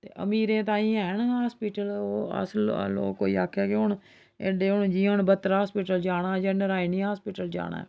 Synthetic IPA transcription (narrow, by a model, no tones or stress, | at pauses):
t̪ḛːʔə̰miːɾẽːt̪ãːĩːɛːnaːspiːʈəloːə̰sllo̰ːkːo̰ːḭːa̰ːkʰːɛːkɪɦʊɳ | eɖeːɦʊɳd͡ʒiːɦʊɳbət̪ːɾaːaːspiːʈəld͡ʒaːɽaːd͡ʒənəɾaːinĩaːspiːʈəld͡ʒa̰ːɽa̰ːɛː